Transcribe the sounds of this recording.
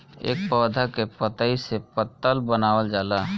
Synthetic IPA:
ḛːk̚pɔːd̪ʱakepət̪əisepət̪ːəlbənaːwəld͡ʒaːla

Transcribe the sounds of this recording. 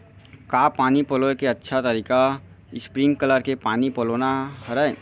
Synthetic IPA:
kaːpaːnipoloːkeɐtːʃʰat̪əɾiːka | ɪspɾɪ̃ŋɡkələɾkepaːnipəloːnahəɾə

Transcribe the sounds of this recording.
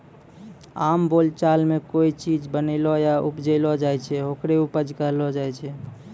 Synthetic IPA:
ambolt͡ʃalmekoit͡ʃid͡ʒbənəlɔjaupd͡ʒelɔd͡ʒajt͡ʃʰɛɦokɾeupəd͡ʒkəɦlɔd͡ʒajt͡ʃʰɛ

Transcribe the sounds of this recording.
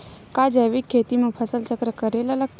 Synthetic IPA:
kad͡ʒəʋikʰːet̪imãpʰəsəlt͡ʃəkɾəkəɾelaləɡ̚t̪

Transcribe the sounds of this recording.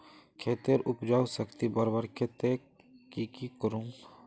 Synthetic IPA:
kʰeːt̪eɾʊpd͡ʒaːusəkt̪ibəɾbəɾkʰeːt̪e | kikikəɾũŋ

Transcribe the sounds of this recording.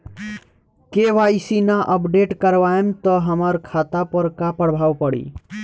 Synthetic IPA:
keʋaisinaʔəpɖeʈkəɾʋaemt̪əɦəməɾkʰat̪apəɾkapəɽbʱawpəɽḭ

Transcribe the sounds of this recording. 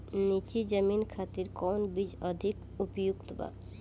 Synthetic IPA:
nit͡ʃid͡ʒəminkʰat̪iɾkɔwnbid͡ʑɔd̪ʱik | upojukt̪ba̰b

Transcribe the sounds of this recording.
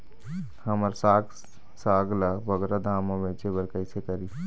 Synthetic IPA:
həməɾsaːɡ | saːɡlabəɡɾad̪ʱaːmõbeːt͡ʃebəɾkəɪsekəɾi

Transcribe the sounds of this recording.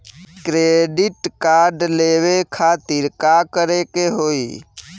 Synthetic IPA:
kɾeɖɪʈkaɾɖlewekʰat̪ɪɾkakəɾekeɦoːi

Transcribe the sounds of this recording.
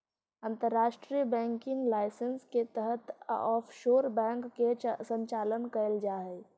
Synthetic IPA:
ə̃nt̪əɾːaːʃʈɾijəbɛ̃ːŋkɪŋlaːɪsənsket̪əɦət̪ɔːfʰʃoːɾbɛ̃ːŋkːesə̃ɲt͡ʃaːlənkəəld͡ʒaːɦɛː

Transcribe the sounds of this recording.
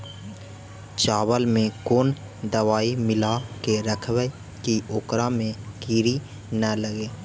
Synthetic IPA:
t͡ʃaːwəlmẽkoːn | d̪əwaːimɪlakeɾəkʰwə | kioːkɾamẽkiɾi | nələɡeː

